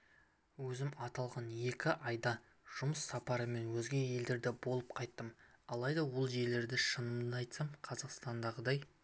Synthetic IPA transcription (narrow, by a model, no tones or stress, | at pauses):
wɵzɪmɑt̪ɑlˠʁɑnje̞kʲɪʔɑjd̪ɑ | ʒ̥ʊməsːɑpɑɾəme̞nwɵzɡʲe̞je̞ld̪e̞ɾd̪ɪbo̞lˠəp̚qʰɑjt̪ːəmɑlˠɑjd̪ɑwolˠʒe̞le̞ɾd̪ɪʃənəmd̪ɑjt̪sɑmqʰɑzɑqst̪ɑnd̪ɑʁəd̪ɑj